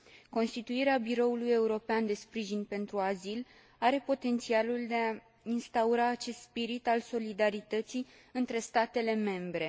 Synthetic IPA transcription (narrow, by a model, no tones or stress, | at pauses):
ko̞nst̪it̪uiɾeabiɾo̞uluje̞uɾo̞peand̪e̞spɾiʒinpe̞nt̪ɾuazil | aɾe̞po̞t̪e̞nt̪sialuld̪e̞a | inst̪auɾaːt͡ʃe̞st̪spiɾit̪also̞lid̪aɾit̪ət̪sij | ɨnt̪ɾe̞st̪at̪e̞le̞me̞mbɾe̞